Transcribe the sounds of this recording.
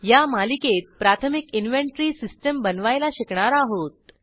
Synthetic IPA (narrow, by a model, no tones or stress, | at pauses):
jamaliket̪̚pɾat̪ʰəmikinʋeɳʈɾiːsisʈəmbənʋajlaɕikɳaɾaɦot̪̚